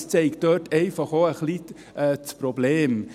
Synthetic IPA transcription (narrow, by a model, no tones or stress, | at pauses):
st͡sɛɪkt̪øːtʰɛɪfɑχoəχli | ɛːt͡spɾɔbleːm